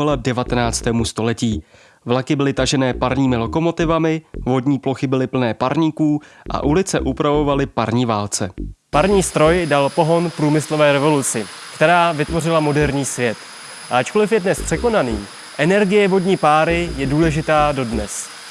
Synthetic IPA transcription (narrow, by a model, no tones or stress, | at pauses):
aladɛvat̪ɛnaːt͡st̪ɛːmust̪o̞lɛciː | vlakɪbɪlɪt̪aʒɛnɛːpaɾɲiːmɪlo̞ko̞mo̞t̪ɪvamɪvo̞dɲiːplo̞xɪbɪlɪpl̩nɛːpaɾɲiːkuː | ʔa̰ʔulɪt͡sɛʔupɾavo̞valɪpaɾɲiːvaːlt͡sɛpaɾɲiːst̪ɾo̞jdalpo̞ɦo̞npɾuːmɪslo̞vɛːɾɛvo̞lut͡sɪ | kt̪ɛɾaːvɪt̪vo̞rɪlamo̞dɛɾɲiːsvjɛt̪ | ʔaʔat͡ʃkolɪfjɛdnɛspr̝̥ɛko̞naniːm | ʔɛnɛɾɡɪjɛvo̞dɲiːpaːɾɪjɛduːlɛʒɪt̪aːdo̞dnɛs